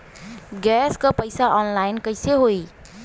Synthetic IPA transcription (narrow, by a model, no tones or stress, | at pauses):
ɡɛskʌpəjsaʔɔnlaɪnkəɪseɦoi